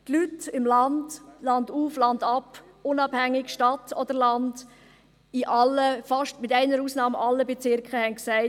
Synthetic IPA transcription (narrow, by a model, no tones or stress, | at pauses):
tlytɪmlɑndlɑnduːflɑndɑp | ʊnɑːbhæŋːɪkʃtɑtʰɔd̥əɾlɑnd | ɪʔɑlːəfɑʃtmɪtæɪnəɾuːsnɑːmʔɑlːəbɛt͡sɪɾkχəhɛnksæɪ